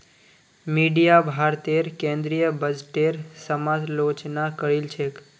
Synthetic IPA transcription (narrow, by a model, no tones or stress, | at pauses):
miɖijabʱaɾt̪eɾkẽnd̪ɾijəbəd͡ʒʈeɾsəmad͡ʒlot͡ʃnakəɾilt͡ʃʰek